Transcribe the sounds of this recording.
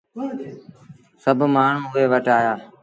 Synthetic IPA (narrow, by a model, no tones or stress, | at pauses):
səbʱmaːɳ̤ũːʊɦeːʋəʈaːjaː